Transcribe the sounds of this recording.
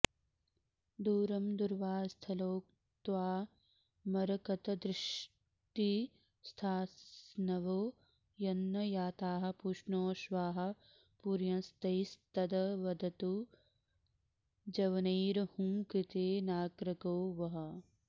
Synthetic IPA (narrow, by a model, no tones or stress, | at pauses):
d̪uːɾɐmd̪uɾʋaːst̪ʰɐloːk̚ | t̪ʋaː | mɐɾɐkɐt̪ɐd̪ɾɪʃ | ʈi | st̪ʰaːsnɐʋoː | jɐnːɐjaːt̪aːɦɐ̆puʃɳoːʃʋaːɦɐ̆ | puɾjɐ̃nst̪ɐjst̪ɐd̪ɐʋɐd̪ɐt̪u | d͡ʒɐʋɐniːɾɐhũːkɾit̪eːnaːɡɾɐkoːʋɐɦɐ̆